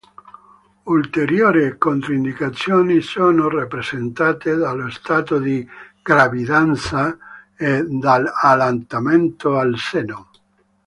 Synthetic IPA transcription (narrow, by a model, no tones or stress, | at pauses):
ult̪eɾjoːɾikont̪ɾind̪ikat̪sːjoːnisoːnorapɾezent̪aːt̪ed̪alːost̪aːt̪od̪iɡ̥ɾavid̪ant̪sa | ed̪alalant̪ament̪oalsɛno